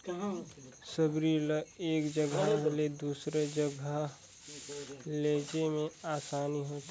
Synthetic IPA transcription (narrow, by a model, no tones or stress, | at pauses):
səbɾiləeːkd͡ʒəɡʱaled̪uːsɾed͡ʒəɡʱə | leːd͡ʒemẽaːsaːniɦoːt̪ː